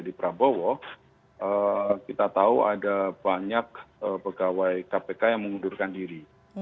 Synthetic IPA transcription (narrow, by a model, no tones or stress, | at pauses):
adipɾabowɔ | əkit̪at̪auadab̥aɲak̚əpəɡawajkapekajaŋməŋundurkandiɾi